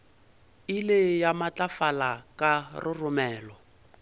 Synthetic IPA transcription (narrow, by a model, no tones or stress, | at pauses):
ilɪjamat͡ɬafalakarʔɪrʊmɛːlɔ